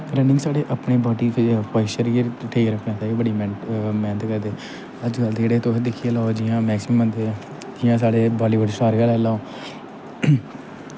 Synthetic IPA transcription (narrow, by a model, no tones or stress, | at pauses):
kɾənɪ̃ŋsaːɽeːʔəpɳeːbaːʈiːpʰaːɪʃəɾeʈʰeːkɾəkʰjãːt̪aːbəɽiːmɛ̃ːnmɛ̃ːnt̪kəɾd̪eː | əd͡ʒɡəld̪ed͡ʒeːɽeːt̪oːd̪ɪkʰːijːlaːod͡ʒijãːmɛːksɪməmːənd̪e | d͡ʒɪjãːsaːɽeːbaːɖiːbəɽiːsaːɾɡəlɛːlaːoː